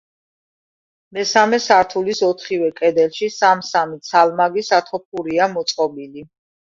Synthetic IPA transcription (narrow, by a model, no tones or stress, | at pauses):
mɛsamɛsaɾt̪ʰulisɔt̪ʰχivɛkʼɛd̪ɛlʃisamsamit̪sʰalmaɡisat̪ʰɔp̚ʰuɾiamɔt̪sʼqʼɔbili